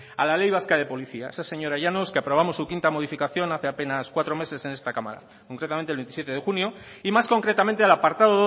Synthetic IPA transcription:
a̰lale̞jβaskað̞e̞po̞liθiaesase̞ɲo̞ɾaʝanoskeapɾo̞β̞amo̞sːukint̪amo̞ð̞ifikaθjo̞naθe̞ape̞naskwat̪ɾo̞me̞se̞se̞ne̞st̪akama̰ɾa̰ | koŋkɾet̪am̃nt̪elβenisjt̪e̞ðe̞xunjo̞imasko̞ŋkɾe̞t̪amẽ̞nt̪̬ealapaɾt̪aðoðo

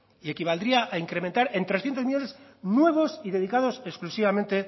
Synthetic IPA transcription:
ie̞kiβ̞ald̪ɾiaʔaiŋkɾement̪aɾent̪ɾesθjent̪omiʝo̞neznwe̞β̞o̞siðe̞ð̞ikað̞o̞se̞sklusiβamẽ̞nt̪e̞

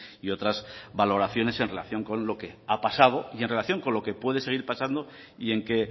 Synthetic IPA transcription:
io̞t̪ɾazβalo̞ɾaθjo̞ne̞se̞nre̞la̰θjoŋko̞nlo̞ke̞apasað̞o̞ienrelaθjo̞ŋko̞nlo̞ke̞pwe̞ð̞ese̞ɣ̞iɾpasand̪o̞ | ie̞ŋke̞

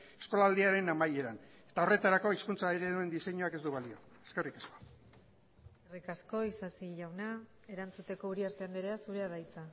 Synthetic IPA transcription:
e̞skolaːld̪iaɾe̞namaje̞ɾan | e̞t̪ao̞re̞t̪aɾako̞iskunt͡saiɾeðue̞nd̪ise̞ɲuake̞zd̪uβalio̞eske̞rikesko̞̥ | erikasko̞isasiʝawna | e̞ɾant͡sut̪eko̞uɾiaɾt̪e̞and̪eɾeasuɾe̞aðajt͡sa

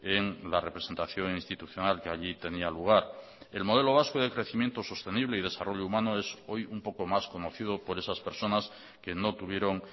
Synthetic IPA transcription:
eŋlare̞pɾe̞se̞nt̪aθjo̞ŋĩnst̪it̪uθjo̞nalkeaʎit̪e̞nialuɣ̞aɾ | e̞lmo̞ð̞e̞lo̞β̞askoð̞ekɾe̞θimjent̪oso̞st̪e̞niβle̞ið̞e̞saro̞ʎoumãnoe̞so̞jumpo̞komasko̞no̞θið̞opo̞ɾesaspe̞ɾso̞nas | ke̞no̞t̪uβ̞je̞ɾo̞ŋ

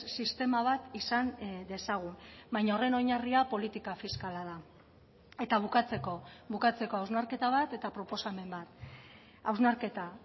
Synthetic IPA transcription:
sist̪e̞maβat̪isand̪e̞saɣ̞umbajɲaore̞no̞ɲariapo̞lit̪ikafiskalað̞a | e̞t̪aβ̞ukat͡se̞ko̞βukat͡se̞ko̞awznaɾke̞t̪aβ̞at̪e̞t̪apɾo̞po̞same̞mbat̪ | awznaɾke̞t̪a

